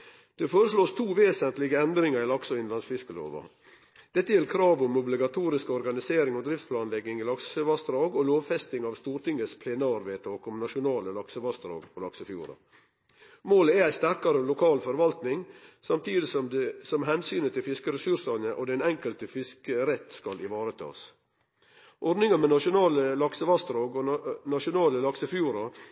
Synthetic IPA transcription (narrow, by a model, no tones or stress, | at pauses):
d̪̥ɛfoːɾəʂloːst̪ʰuːʋeːsənt̪lɪɡəɛnd̪ɾɪŋɑɾɪlɑksɔɪnlɑnsfɪskəlo̰ːʋɑ̰ | d̪̥ɛt̪ːəjɛlkʰɾɑːʋʊmʊblɪɡɑt̪ʰuːɾɪskəɔɾɡɑnɪseːɾɪŋɔd̪ɾɪft̪spʰlɑːnlɛɡːɪŋɪlɑksəʋɑst̪ɾɑːɡɔloːʋfɛst̪ɪŋɑʋst̪uːɾʈ̪ɪŋːəspʰlɛnəɑɾʋeːt̪ʰɑːkɔmnɑʂʊnɑːləlɑksəʋɑst̪ɾɑ̰ːɡpʰɔlɑksəfjṵːɾɑ̰ | moːləɛɾæɪst̪æɾkɑɾəɔlʊkʰɑːlfɔɾʋɑlt̪nɪŋsɑmt̪ʰiːd̪ɪsɔsɔmɦɛnsyːnət̪ʰɪfɪskəɾɛsʉɾʂɑnəʔod̪ɛnɛŋkəlt̪əfɪskəɾɛt̪ːskɑlɪʋɑːɾət̪ʰɑ̰ːs | ʔɔɾnɪŋɑmɛnɑʂʊnɑːləlɑksəʋɑst̪ɾoːɡɔnɑʃʊnɑːləlɑksəfjuːɾɑ